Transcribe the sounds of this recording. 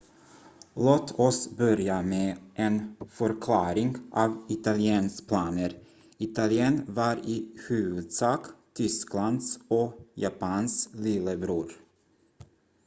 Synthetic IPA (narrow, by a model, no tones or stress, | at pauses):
loːt̪ʰɔsbœɾjameːʔɛnfœɾkʰlɑːɾɪŋʔɑvɪt̪alɪeːnspʰlɑːnəɾ | ɪt̪alɪeːnvɑɾɪhʉ̟ːvɵd̪sɑːkt̪ʰʏskland̪sɔjapɑnslɪləbɾuːɾ